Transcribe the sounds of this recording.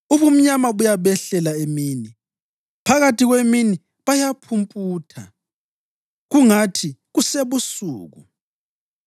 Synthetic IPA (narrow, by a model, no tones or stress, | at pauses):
uβum̩ɲamaβujaβɛɬɛlaemiːni | pʰaɣatʰʼiɣwemini | βajapʰumpʼuːtʰa̰ | ɣuŋatʰiɣuseβusṵːɣṵ